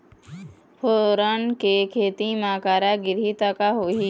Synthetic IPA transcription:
fʰoːɾənkekʰeːt̪imaːkaːɾaɡɪɾit̪əkaɦoːi

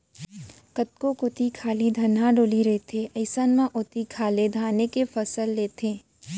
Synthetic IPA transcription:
kət̪̚kokʊt̪ikʰaːlid̪ʱɐnãɖoːliɾɐet̪ʰeʔɐɪsənmãʔʊt̪ikʰaːled̪ʱaːnekefɐsəlːeːt̪ʰẽː

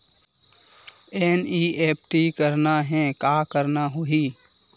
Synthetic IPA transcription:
ɛːniːʔeːp̚ʰʈikəɾnaɦɛ̃kaːkəɾnaɦoiː

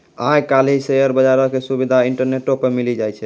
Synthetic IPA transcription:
ajkalɦisejəɾbəd͡ʒaɾɔkesubid̪ʱaiɳʈəɾneʈːopemilid͡ʒajt͡ʃʰɛ

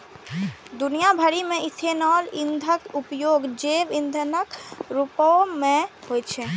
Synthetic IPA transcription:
d̪unijabʱəɾimẽit̪ʰenɔːlind̪ʱəkupjoːɡd͡ʒeʋind̪ʱənəkɾupɔmẽɦoet͡ʃʰe

